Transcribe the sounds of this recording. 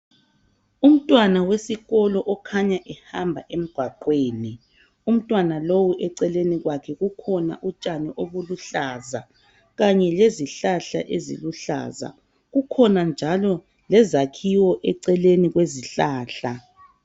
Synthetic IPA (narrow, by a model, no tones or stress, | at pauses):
um̩tʼwanawesiɣɔlɔʔɔkʰaɲaʔɛhambʱa̰ʔem̩ɡ̥ʱwaǃweːni | um̩tʼwanalowuʔɛǀɛleniɣwakʰɛɣukʰɔna̰ʔut͡ʃʼaniʔoβuluɬaːza | ɣaɲɛleziɬaɬa̰ʔezḭluɬa̰za̰ | ɣukʰɔnand͡ʒʱalɔ | lɛzakʰiwɔʔɛǀɛleniɣweziɬaːɬa